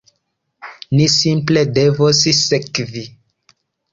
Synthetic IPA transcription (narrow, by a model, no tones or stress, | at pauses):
nisimpledevossekvi